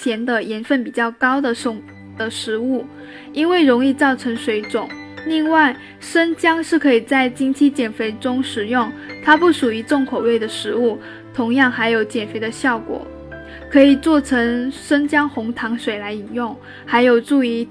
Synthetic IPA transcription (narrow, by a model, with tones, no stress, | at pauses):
t͡ɕʰjɛ˧˥nd̪ə˧jɛ˧˥nfə˥˩npi˨˩t͡ɕjɑ˥˩ʊkɑ˥ʊd̪ə˨ʂʊ˨˥˩ | ə˧ʂɻ̩˧˥u˥˩ | i˥nwe˥˩ɪɻʊ˧˥ŋi˥˧t͡sɑ˥˩ʊʈ͡ʂʰɤ˧˥ŋʂwe˧˥ɪʈ͡ʂʊ˨˩˦ŋli˥˧ŋwa˥˩ɪ | ʂə˥nt͡ɕjɑ˥ŋʂɻ̩˥˩kʰɤ˧˥i˨˩t͡sa˥˩ɪt͡ɕi˥nt͡ɕʰi˥t͡ɕjɛ˨˩nfe˧˥ɪʈ͡ʂʊ˥ŋʂɻ̩˨˩jʊ˥˩ŋt̪ʰa˥pu˥˩ʂu˨˩y˧˥t͡sʊ˥˩ŋkʰo˨˩ʊwe˥˩ɪd̪ə˩ʂɻ̩˧˥u˥˩ | t̪ʰʊ˧˥ŋjɑ˥˩ŋxa˧˥ɪjo˨˧˥ʊt͡ɕjɛ˨˩nfe˧˥ɪd̪ə˧ɕjɑ˥˩ʊkwɔ̰˨˩˦ | kʰɤ˧˥i˨˩t͡swɔ˥˩ʈ͡ʂʰɤ˧˥ŋʂə˥nt͡ɕjɑ˥ŋxʊ˧˥ŋt̪ʰɑ˧˥ŋʂwe˨˩ɪla˧˥ɪi˨˩njʊ˥˩ŋ | xa˧˥ɪjo˨˩ʊʈ͡ʂu˥˩y˧˥